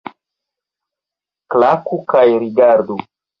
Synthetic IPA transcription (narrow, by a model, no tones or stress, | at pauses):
klakukajɾiɡaɾdu